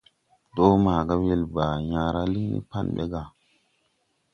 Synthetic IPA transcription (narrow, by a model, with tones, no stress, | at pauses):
ɗo˦maː˨ɡa˦we˦˨lba˨jã˨ɾa˦li˦nḭ˦pa˦˨nɓḛ˦ɡa˨